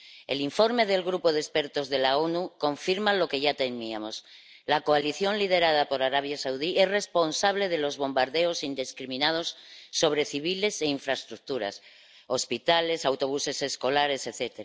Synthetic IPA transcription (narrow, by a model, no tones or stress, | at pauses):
e̞̰liɱfo̞ɾme̞ðe̞lɣɾupo̞ðespe̞ɾt̪o̞zðe̞lao̞nuko̞ɱfiɾmalo̞ke̞ʝat̪e̞miamo̞s | lako̞aliθjo̞nlið̞e̞ɾað̞apo̞ɾaɾaβ̞jasawðie̞sre̞spo̞nsaβ̞le̞ðe̞lo̞zβo̞mbaɾðe̞o̞sind̪eskɾimĩnað̞o̞sːo̞β̞ɾe̞θiβ̞ile̞se̞iɱfɾaest̪ɾuk̚t̪uɾa̰s | o̞spit̪ale̞sawt̪o̞β̞use̞se̞sko̞laɾe̞se̞θe̞t̪eɾa